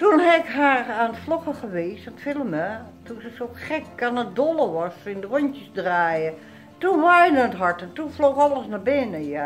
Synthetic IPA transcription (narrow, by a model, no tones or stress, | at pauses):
tunɦɛɪkɦarandəflokəxəʋeːsatfɪlˠəmətunsəsoxɛkkanədolˠəʋɔsɪndərɔntjəsdraːjə | tunʋajdənətɦɔɹtɛntunflokɔlˠəsnabɪnəja